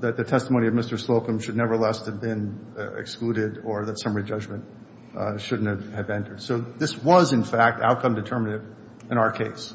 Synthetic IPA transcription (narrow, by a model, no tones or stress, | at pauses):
ðɨt̪̚ðɨtʰɛstəmoʊ̃niʌvmɪstə˞sloʊkɨ̃mʃɨdⁿnɛvə˞lɛst̚hɨvbɪ̃nɪ̰kskluɾɪɾə˞ðɨtsʌ̃mɹid͡ʒʌd͡ʒmɨ̃nt̚ | ʃʊdⁿn̩tɨvɨvɛ̃ntʰə˞d̥soʊðɪswʌzɨ̃nfæk̚ta̰ʊt̚kʰʌ̃mdɨtʰɜ˞mɨɾɨv | ɨ̃ɾ̃aʊə˞kʰeɪs